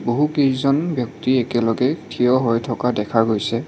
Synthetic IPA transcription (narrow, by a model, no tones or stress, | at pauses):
boɦukezɔnbjɔk̚tiɛkɛlɔɡɛtʰijɔɦɔjtʰɔkadɛkʰaɡojsɛ